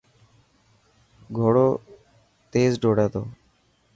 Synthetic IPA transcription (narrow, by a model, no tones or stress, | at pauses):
ɡʱoːɽoː | t̪eːzɖoːɽɛːt̪o̰ː